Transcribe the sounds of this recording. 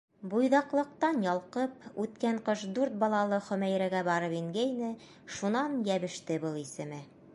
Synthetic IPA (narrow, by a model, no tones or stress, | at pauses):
bujðɑqlˠɤ̆q̚t̪ɑnjɑlˠqɤpʉt̪kæɴqɤʃd̪ʉɾt̪̚bɒlˠɑlˠɤχɵ̆mæjɾæɡæbɑɾɤpiŋɡæjnɘ | ʃunɑnjæβɘ̆ʃt̪ɘbɤlˠisɘ̆mɘ